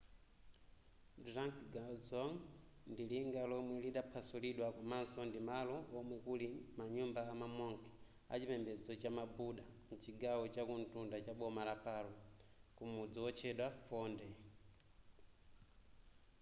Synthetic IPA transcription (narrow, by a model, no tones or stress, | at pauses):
dɾaŋkɡad͡zɔŋndiliŋɡalɔmwɛliɗapʰasuliɗwakumansɔndimalɔːmwɛkulimaɲumbaamamɔŋkʰɛ̥ | a̰t͡ʃimɛmbɛd͡zɔt͡ʃamabuɗan̩t͡ʃiɡawɔt͡ʃakuntundat͡ʃaɓɔmalapalɔkumud͡zɔwɔt͡ʃʰɛɗwafɔːndɛ